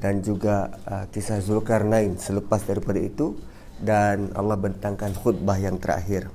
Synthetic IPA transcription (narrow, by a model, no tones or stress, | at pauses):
dand͡ʒuɡaəkisahzulkarnaɪnsələpasdaɾipadait̪u | dana̰lːɑhbənt̪aŋkanhʊt̪̚baɦjaŋt̪əɾa̰ɦɪr